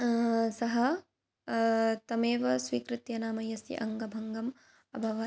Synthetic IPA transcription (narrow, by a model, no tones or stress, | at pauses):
sɐɦɐ | t̪ɐmeːʋɐsʋiːkɾɪt̪jɐnaːmɐjɐsḭʔɐ̰ŋɡɐbʱɐŋɡɐm | ɐ̰bʱɐʋɐ